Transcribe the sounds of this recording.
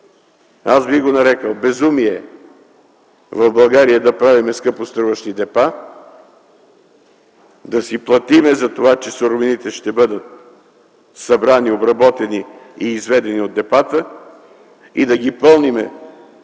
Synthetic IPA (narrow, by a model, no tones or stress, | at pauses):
azbiɣɡonɐɾɛkəlˠbɛzumiɛ | vɐvbɐlˠɡaɾijəd̪ɐpɾavimɛskɤpost̪ɾuvəʃt̪id̪ɛpa | d̪ɐsiplˠɐt̪imɛzɐt̪ovat͡ʃɛsoɾvinit̪ɛʃt̪ɛbɤd̪ət̪̚ | sɐbɾaniobɾɐbɔt̪ɛni | iːzvɛd̪ɛniod̪ːɛpat̪ə | id̪ɐɡipɤlˠnimɛ̰